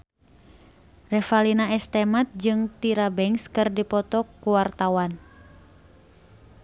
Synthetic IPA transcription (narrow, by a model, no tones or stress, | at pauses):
rɛfalinaɛst̪ɛmat̪̚d͡ʒɨŋt̪iɾabɛŋskɨrdipɔt̪ɔkːuwart̪awan